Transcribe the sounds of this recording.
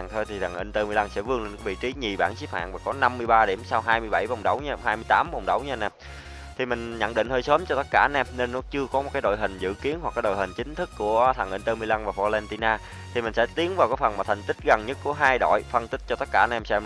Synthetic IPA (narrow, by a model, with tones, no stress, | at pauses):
ŋt̪ʰo˧jt̪ʰi˨˩t̪ʰa˨˩ŋʔi˧ŋ̟t̪əː˧mɨ˧əjla˧nsɛ̰˧˥vɨ˧əŋlə˧nkːvḭ˧˨t͡ɕi˨˦ɲi˨˩ɓaː˧˩nsi˦˥p̚ha̰ː˧˨ŋvaː˨˩kɔ˨˦na˧mːɨ˧əjɓaː˧ɗi˧˩əmsaː˧wɦaː˧jmɨ˧əjɓa˧˩jvə˨˩wŋ͡mɗə˨˦wɲ˧hɦaː˧jmɨ˧əjt̪aː˨˦mvə˨˩wŋ͡mɗə˨˦wɲa˧nɛ˧˩ | t̪ʰi˨˩mï˨˩ŋ̟ɲə̰˧˨nɗḭ˧˨ŋhəː˧jsəː˨˦mt͡ɕɔ˧t̪ə˦˥t̚kaː˧˩˧nʔɛ˧mne˧nːɔ˨˦t͡ɕɨ˧əkɔ˨˦mo˨˩t̚kaː˨˦jɗo̰˧˨jɦï˨˩ŋ̟zɨ̰˧˨ki˨˦ənɦwa˨˩k̚ːaː˨˦ɗo̰˨˩jɦï˨˩ŋ̟t͡ɕï˨˦ŋ̟t̪ʰɨ˦˥kːu˧˩ət̪ʰa˨˩ŋʔi˧ŋ̟t̪əː˧mɨ˧əjla˧nvaː˨˩fɔ˧lɛ˧nt̪i˧naː˧ | t̪ʰi˨˩mï˨˩ŋ̟sɛ̰˧˥t̪i˨˦ənvaː˨˩wkɔː˨˦fə˨˩nmaː˨˩t̪ʰa˨˩ŋ̟t̪ï˦˥k̟̚ɣə˨˩nɲə˦˥t̚ku˧˩əɦaː˧jɗo̰˧˨jfə˧nt̪ï˦˥k̚t͡ɕɔ˧t̪ə˦˥t̚kaː˧˩ʔnʔɛ˧msɛ̰˧m